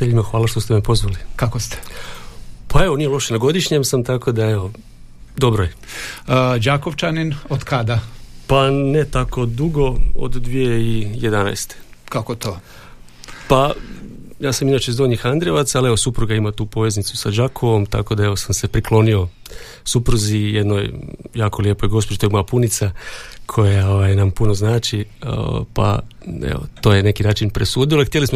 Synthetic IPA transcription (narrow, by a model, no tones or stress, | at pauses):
t̪eʎimaxʋaːlˠaʃt̪o̞st̪e̞mepo̞zʋalikakost̪e̥ | pʰae̞ʋo̞nije̞lˠo̞ʃenaɡo̞d̪iʃɲe̞msamt̪ako̞d̪ae̞ʋo̞ | d̪o̞bɾoje | d͡ʒaːkoʋt͡ʃaninod̪kad̪apane̞t̪ako̞d̪uɡo̞o̰d̪d̪ʋijeijed̪ana̰jst̪e̥kakot̪ʰo | pa | jaːsaminaːt͡ʃeizd̪o̞ɲixand̪ɾieʋat̪salie̞ʋo̞supɾuɡaimat̪uːpo̞ʋe̞znit̪susad͡ʒakʰoʋo̞mt̪a̰ko̞d̪ae̞ʋo̞samse̞pɾiklo̞nio̞ | supɾuzijed̪no̞jjaːko̞lje̞ːpo̞jɡo̞spod͡ʒit̪ojimapunit̪sakʰo̞jao̞ʋajnampunoznaːt͡ʃḭ | pa̰ḛʋo̰t̪o̞jene̞kinaːt͡ʃinpɾesuːd̪iloxt̪jelismo